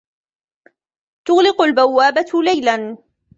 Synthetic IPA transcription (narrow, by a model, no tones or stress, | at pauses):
t̪ʊɣlɪqʊlbawːaːbat̪lajlan